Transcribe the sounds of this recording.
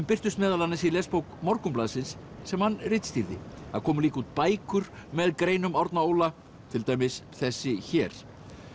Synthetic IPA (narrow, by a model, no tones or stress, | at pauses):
mpɪr̥t̪ʏst̪mɛːðalanɪsilɛspowkmɔɾkʏmplaːðsɪnsː | ɛmhanːrɪt̪st̪iɾðɪ̰haðkʰɔːmʏliːkuːt̪̚paːjkʏɾ̥mɛðkɾeːjnʏmawɾt̪naowla | t̪ʰɪlt̪aːjmɪsθɛsːɪçɛːɾ̥